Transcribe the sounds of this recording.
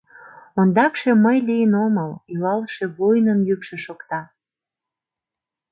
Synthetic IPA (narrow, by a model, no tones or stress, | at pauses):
ond̪ɑkʃe̽məjlijənoməlylɑlʃeβojnənjykʃeʃokt̪ɑ